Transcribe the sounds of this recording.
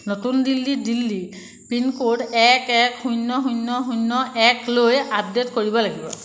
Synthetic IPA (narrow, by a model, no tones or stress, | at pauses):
notundilːidilːi | pinkodɛkɛkhujnːɔɦujnːɔɦunːɔʔɛklojap̚detkoɹibɔlaɡibɔ̰